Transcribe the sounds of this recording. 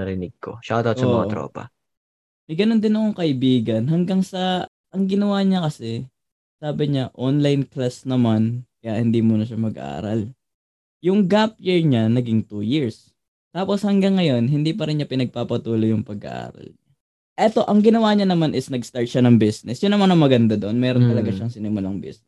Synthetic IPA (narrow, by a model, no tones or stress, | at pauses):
ɐɾɪnɪɡ̚ko̰ʃaʔɐt̪aotssɐmmɐŋat̪ɾo̰ːpɐ̰ | mɐjɡɐno̞nd̪ɪnɐko̞ŋkɐʔɪbiːɡɐnɦɐŋɡaŋsɐ | ʔɐŋɡɪnɐwaːɲakɐsɛ | saːbɪɲaʔonlajnklasnɐmankɐjaʔhɪnd̪imuːnɐʃamɐɡɐ̰ʔa̰ːɾɐ̰l | jʊŋɡapjɛɹɲanɐɡɪŋt̪uːjɪɹs | t̪aːpo̞shɐŋɡaŋːɐjo̞nɦɪnd̪ipɐɾɪnɲapɪnɐɡ̚paːpɐt̪uːlo̞jʊŋpɐɡɐ̰ʔa̰ːɾɐ̰lɲa | ʔɛt̪o̞ʔɐŋɡɪnɐwaɲanɐmanʔɪsnɐɡst̪aɹt̪̚ʃanɐŋbisnɛsjʊnːɐmanɐŋmɐɡɐnd̪ad̪oʔonmɛːɾont̪ɐlɐɡaʃɐŋsɪnɪmʊlaŋbḭsns